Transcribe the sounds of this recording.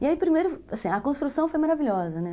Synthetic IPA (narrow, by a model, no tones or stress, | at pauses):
iaipɾimejɾʊasĩɐkõst̪ɾusɐ̃w̃fojmaɾaviʎɔzɐnɛ